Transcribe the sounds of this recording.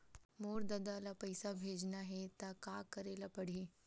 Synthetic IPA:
moɾd̪əd̪alapəjsabʱed͡ʒnaɦet̪akakəɾelapəɽ̤i

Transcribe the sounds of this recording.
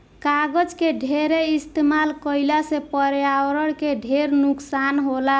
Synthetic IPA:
kaɡəd͡ʒkeɖʱeɾeist̪emalkəɪlasepəɾjawɾəɽkeɖʱeɾnuksanɦola

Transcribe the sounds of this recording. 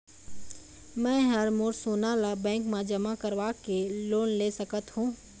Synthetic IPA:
mɛ̃ːɦəɾmoːɾsoːnaːlabɛ̃ːŋkmẽd͡ʒɐmakəɾʋaːkeloːnleːsəkət̪ɦũː

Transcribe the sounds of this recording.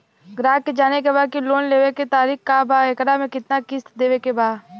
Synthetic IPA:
ɡɾaːked͡ʒaːnek̬ebaːd̪̚kiloːnleːʋeket̪aːɾiːxkabʱaːɪkɽamẽkɪt̪nakɪst̪d̪eːʋekebʱaː

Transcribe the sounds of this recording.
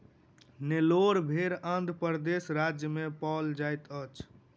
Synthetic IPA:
neloɾbʱeɾãnd̪ʱpəɾd̪esɾad͡ʒjəmepɔld͡ʒajt̪ət͡ʃʰ

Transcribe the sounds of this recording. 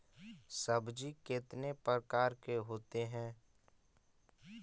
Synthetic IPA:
səbd͡ʒikɪt̪nepɾəkaːɾkeɦoːt̪eɦɛ̃ː

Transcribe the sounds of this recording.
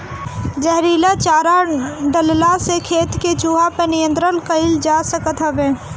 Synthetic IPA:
d͡ʒəɦɾiːlat͡ʃaːɾaɖəllasekʰeːt̪ket͡ʃuːɦapənijə̃nt̪ɾəlkəɪld͡ʒaːsəkət̪ɦəbẽː

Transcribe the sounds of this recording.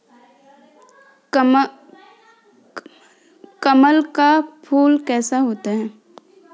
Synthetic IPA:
kəməlkapʰuːlkɛːsaɦoːt̪aɦɛ̃ː

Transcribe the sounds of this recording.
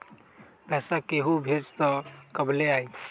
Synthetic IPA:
pɛːsakeːɦubʱed͡ʒt̪ɔkəbleaːĩ

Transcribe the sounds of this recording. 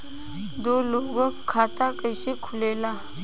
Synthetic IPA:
d̪oːloːɡokkʰːaːt̪akʼəjʃikʰulela

